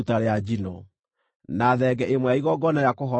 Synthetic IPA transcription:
taɾead͡ʑinɔ | naðɛɡɛʔemwɛaiɣɔɡɔnajakoɦɔ

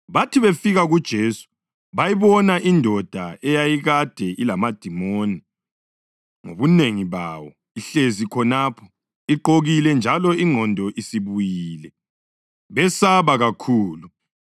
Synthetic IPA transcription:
βatʰiβefiɣaɣud̥ʒ̥ʱeːsu̥ | βajiβɔnaʔindʱɔd̥ʱaɛjajiɣad̥ʱɛʔilamad̥ʱimoni | ŋoβuneŋiβawɔ | iɬezikʰɔnapʰɔ̥ | iǃoɣilɛnd͡ʒʱalɔiŋʱɔndʱɔʔisiβujiːlɛ | βɛsaβaɣakʰuːlu

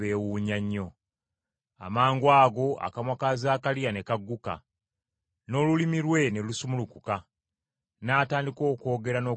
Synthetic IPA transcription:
eːwuɲaɲːo̞ | a̰maːŋɡwaːɡo̞a̰kamwakazaːkalijane̞kaɡːuka̰ | no̞ːlulimiɾwe̞nelusumulukuka | naːtaːndiko̞ːko̞ːɡe̞ɾano̞ː

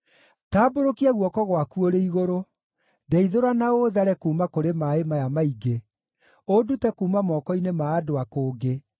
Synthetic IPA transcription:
taːboɾokiaɣwɔkɔɣwakuoɾeiɣoɾo | dɛiðoɾanaoðaɾɛkuːmakoɾemaemajamaiɡe | odutɛkuːmamɔːkɔinemaːdoakoːɡe

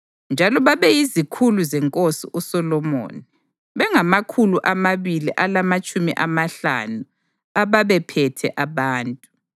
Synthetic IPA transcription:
nd͡ʒʱalɔβaβɛjizikʰuluzɛŋkʼosḭʔusɔlɔmo̰ːni | βɛŋamakʰuluʔamaβiliʔalamat͡ʃʼumḭʔamaɬa̰nu | aβaβɛpʰɛtʰɛ̰ʔaβaːntʼu

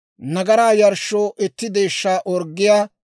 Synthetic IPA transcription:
nɐɡɐɾaːjɐɾʃːoːʔɛt̪ːɪd̪e̞ːʃːaːʔɔɾɡːɪjaː

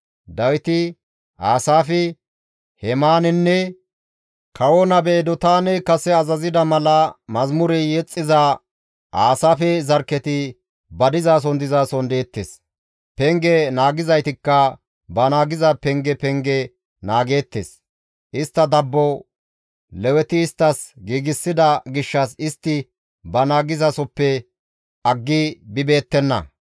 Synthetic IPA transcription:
d̪ɐwɪt̪ɪ | ʔaːsaːfɪ | hɛmaːnɛnːɛ | kʰɐwɔnɐbeːd̪ɔt̪aːnɛkɐsɛɐzɐzɪd̪ɐmɐlɐmɐzmʊɾɛjɛt͡sʼːɪza | ʔaːsaːfɛzɐɾkːɛt̪ɪ | bɐd̪ɪzaːs̬ɔnd̪ɪzaːsɔnd̪eːt̪ːḛs | pɛŋɡɛnaːɡɪzɐjt̪ɪkːɐ | bɐnaːɡɪzɐpɛŋɡɛpɛŋɡɛ | naːɡe̞ːt̪ːḛs | ʔɪst̪ːɐd̪ɐbːɔ | lɛwɛt̪ɪːst̪ːɐsɡiːɡɪsːɪd̪ɐɡɪʃːɐsɪst̪ːɪ | bɐnaːɡɪzɐsɔpːɛ | ɐɡːɪbɪbe̞ːt̪ːɛnːɐ̰

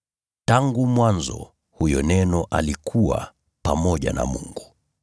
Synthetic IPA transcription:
taŋɡumwanzɔ̰ | hujɔnɛnɔʔalikʰuwa̰ | pamɔʄana̰muŋɡu

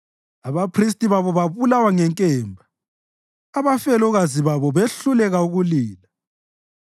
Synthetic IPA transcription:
aβapʰris̬tʼiβaβɔβaβulawaŋɛŋkʼɛːmbʱaː | βafɛlɔɣaziβaβɔβeɬulɛɣauɣuliːla

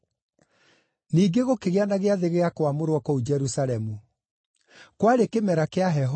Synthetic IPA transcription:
niːɡeɣokeɣeanaɣeaðeɣeakwamoɾwɔkɔud͡ʒɛɾusaɾɛmu | kwaɾekemɛɾakeaɦɛɦ

